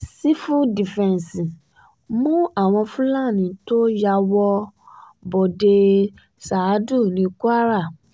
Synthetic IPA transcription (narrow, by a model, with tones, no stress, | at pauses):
si˦fu˦di˨fɛ̃˨n˨si˨ | mũ˦a˦˨w̃ɔ̃˧fũ˦lã˦˨nĩ˨˦to˦ja˧wɔ˧ | bo˨de˧ | sa˨˦du˦˨nĩ˧˦ku˦a˦ɾa˦˨